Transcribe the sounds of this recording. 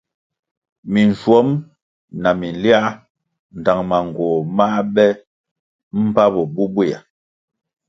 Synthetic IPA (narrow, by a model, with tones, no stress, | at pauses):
mi˨n˨swɔ˨˦m | na˨mi˨n˨li˦a˦ | n̩˨ta˨ŋma˨ŋ˨ɡwɔ˨ma˦bɛ˦ | m̩˦pa˦bɔ˨bu˦bwi˦˨a̰˨